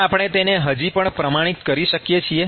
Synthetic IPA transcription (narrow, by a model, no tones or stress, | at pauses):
apɽ̃et̪eneɦəd͡ʒipəɳpɾəmaɽ̃it̪kəɾiʃəkjet͡ʃʰie